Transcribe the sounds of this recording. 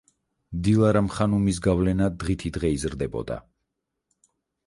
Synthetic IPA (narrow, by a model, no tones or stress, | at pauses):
md̪ilˠaɾamχanumis̬ɡavlɛnad̪ʁit̪ʰid̪ʁɛizɾd̪ɛbɔ̰d̪a̰